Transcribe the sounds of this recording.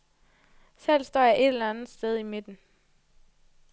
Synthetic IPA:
sel̰sd̥ɒ̰ːjɑ̈ɪʔe̝d̥elænð̩ˠsd̥eð̞ˠime̝d̥n̩

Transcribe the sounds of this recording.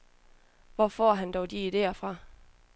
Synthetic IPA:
ʋɒfɒːɦænd̥ɒʊd̥iːd̥e̝̰ːɐfʁɑ̈

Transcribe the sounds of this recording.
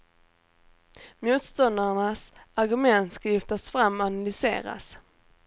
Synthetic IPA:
muːt̪st̪ɔnd̪aɳasaɾɡɵmɛnt̪skalʏft̪asfɾamːanalʏsḛːɾa̰s

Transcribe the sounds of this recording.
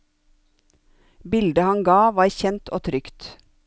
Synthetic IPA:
bɪld̪əhɑŋɡɑːʋɑːɾçɛnt̪ʰoːt̪ʰɾʏkt̪

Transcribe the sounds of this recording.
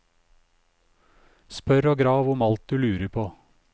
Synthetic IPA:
spœɾoːɡɾɑːʋʊmɑlt̪̚d̪ʉːlʉːɾəpʰoː

